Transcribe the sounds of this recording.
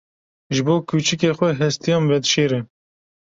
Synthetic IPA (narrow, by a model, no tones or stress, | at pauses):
ʒɨboːkʰuːt͡ʃɪkeːxʷɛɦɛst̪ʰijɑːnvɛd̪ʃeːɾɛ